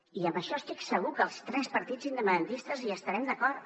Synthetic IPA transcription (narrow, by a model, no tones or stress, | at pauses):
iəmbəʃɔəst̪iksəɣ̞ukəlˠst̪ɾɛspəɾt̪id͡zind̪əpənd̪ənt̪ist̪əziəst̪əɾɛmd̪əkɔɾt̪